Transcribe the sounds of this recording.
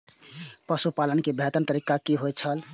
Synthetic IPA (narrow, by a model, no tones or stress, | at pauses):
pəsupalənkebʱet̪ənt̪əɾikakiɦojt͡ʃʰəl